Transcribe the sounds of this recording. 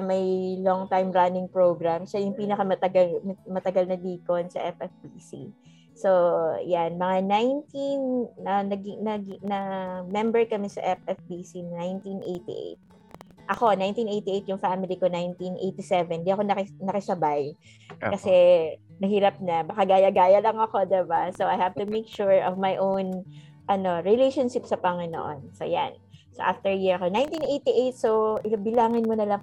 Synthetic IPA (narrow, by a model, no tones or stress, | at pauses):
mɐjloŋt̪ajmɹanɪŋpɹoɡɾamʃajʊŋpiːnɐkɐmɐt̪ɐɡalmɐmɐt̪ɐɡalnɐd̪iːkonsɐ̰ʔɛfɛfbisḭ | so̞janmɐŋanajnt̪inɐnɐɡinɐɡnɐmɛmbɛɹkɐmɛsɐ̰ʔɛfʔɛfbisinnajnt̪inʔejt̪ḭʔḛjt̪̚ | ʔɐko̞najnt̪inʔejt̪iʔejt̪̚jʊŋfamɪlikonajnt̪inʔejt̪isɛvɛnd̪iʔɐko̞nɐkɪnɐkɐsɐbaj | kɐsɛnɐɦiːɾɐp̚ɲɐbɐkaɡaːjɐɡaːjɐlɐŋɐko̞d̪ɛbasoajhavt̪umekʃuɹɔvmajʔown | ʔɐno̞ɹɪlejʃonʃɪpsɐpɐŋɪno̰ʔo̰nso̰ja̰nsoʔaft̪ɛɹjiɹɐko̞najnt̪inʔejt̪iʔejt̪̚soʔɪlɐbɪlaːŋɪnmonɐlɐŋ